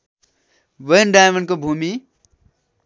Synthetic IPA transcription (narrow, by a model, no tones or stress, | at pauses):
ʋəinɖajmənkobʱumi